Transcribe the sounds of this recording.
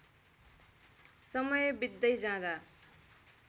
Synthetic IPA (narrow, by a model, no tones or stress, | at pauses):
sʌmʌjʌbid̪ːʌjd͡zãd̪a